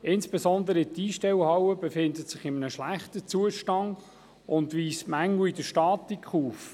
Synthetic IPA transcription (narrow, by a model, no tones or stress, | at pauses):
ɪnsb̥esɔnd̪əɾəɪtiːʃtɛwhɑwəbefɪndətsɪχɪmənəʃlæχtət͡suəʃtɑŋ | ʊnd̪ʋiːstmæŋːl̩widəʃtɑːtikχuːf